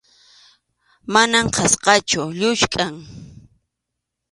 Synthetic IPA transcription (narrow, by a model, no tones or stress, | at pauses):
manamqʰɑsqɑt͡ʃʊʎʊʃkʼaŋ